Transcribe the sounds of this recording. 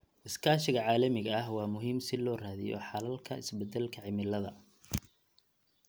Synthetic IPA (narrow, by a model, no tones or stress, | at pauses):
ʔɪskʰaːʃɪɣɐʕaːlɐmɪɣɐɐɦwɑːmʊɦiːmsɪlɔːraːðɪ̰jɔ̰ħɑlɐlkʰɐɪ̰sbɛd̪ɛlkʰɐʕɪmɪlɐðɐ